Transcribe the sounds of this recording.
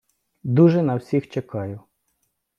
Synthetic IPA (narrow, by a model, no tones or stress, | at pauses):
d̪uʒɛnɐwsʲixt͡ʃekɑjʊ